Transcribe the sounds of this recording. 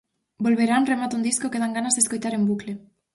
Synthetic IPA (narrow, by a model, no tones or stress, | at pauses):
bolβeɾanremat̪und̪iskokeð̞aŋɡanazðeskojt̪aɾembukle